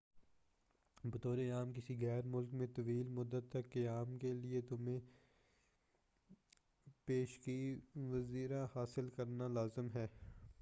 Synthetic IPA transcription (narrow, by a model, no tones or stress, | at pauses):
bɐt̪oːɾeaːmkɪsiɣɛːɾmʊlkmẽt̪ɐʋiːlmʊd̪ːət̪ːɐkːeaːmkeliet̪ʊmẽ | peːʃkiʋɐziːɾahaːsɪlkɐɾnalaːzəmɦɛː